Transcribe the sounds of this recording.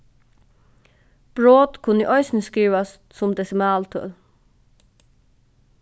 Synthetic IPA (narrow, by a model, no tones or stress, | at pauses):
b̥ɹoːd̪kʰʊnḭʔœʏsnəskiːʋɑs | sʊmd̪ɛsɪmɑːlt̪ʰœ̰l